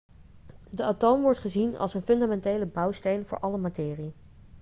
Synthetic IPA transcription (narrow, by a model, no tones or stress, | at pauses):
dəatowmʋɔɹtχəzinɑ̰lˠsənfɵndamɛntejləbʌwstejnvʊ̰ːɹʔɑləmatɪːri